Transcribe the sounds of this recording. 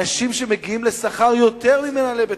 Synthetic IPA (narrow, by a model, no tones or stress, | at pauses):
aʃimʃe̞me̞ɡiimle̞saχaʁjo̞t̪eʁmimenalebe